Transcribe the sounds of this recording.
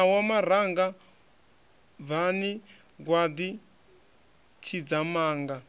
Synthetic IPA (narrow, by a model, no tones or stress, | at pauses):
awamaɾ̤aŋɡa | βani | ɡwad̪i | t͡ʃʰid͡zamaːŋɡa